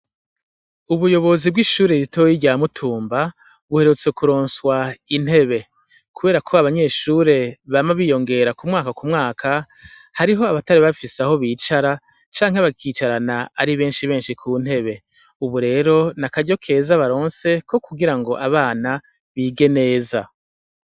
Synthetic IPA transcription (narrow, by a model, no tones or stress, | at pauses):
uβujo̞βo̞zib̚ɡiʃuːɾeɾitʰo̞jiɟaːmutʰuːmba | βuhe̞ɾut͡se̞kuɾo̞ːnswain̥he̞βe̞ | kʰuβe̞ːɾakʰo̞aβaɲe̞ːʃuːɾe̞βamaβiːjo̞ŋɡe̞ɾakumŋaːkakumŋaːkʰa | haɾiɦo̞aβataɾiβafiseaho̞βiːt͡ʃaɾa | t͡ʃaːŋheβakiːt͡ʃaɾanaaɾiβe̞ːnʃiβe̞ːnʃikʰuːn̥he̞βe̞ | uβuɾe̞ːɾo̞nakaɟo̞kʰe̞ːzaβaɾo̞ːnse̞kʰo̞kuɡiɾaŋɡo̞ʔaβaːna | βiːɡe̞ne̞ːza̰